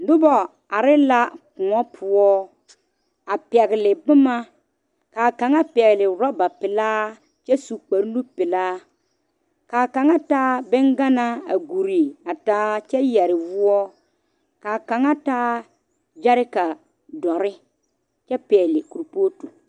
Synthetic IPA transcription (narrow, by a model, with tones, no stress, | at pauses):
dʊ˦bɔ˨ | a˨ɾɪ˦la˦kʊ˨ŋɔ˦pʰʊ˦ɔ˦ | a˨pɛ˨ɣɪ˨lɪ˨bʊ˦ma˦ | kaː˨ka˨ŋa˦pɛ˨ɣɪ˨lɪ˨ɾɔ˦ba˨pɪ˨laː˦ | t͡ʃɛ˦su˨k͡pa˨ɾnu˦pɪ˨laː˦ | kaː˨ka˨ŋa˦taː˦bɪ˦ŋɡa˦na˦a̰˨ɡu˨ɾi˨a˨taː˦t͡ʃɛ˦jɛ˨ɾɪ˨vʊ˦ɔ˦ | kaː˨ka˨ŋa˦taː˦ | d͡ʒa˦ɾɪ˦ka˨ | dɔ˨ɾɪ˦ | t͡ʃɛ˦pɛː˨lɪ˨ku˨ɾpo˦tu˨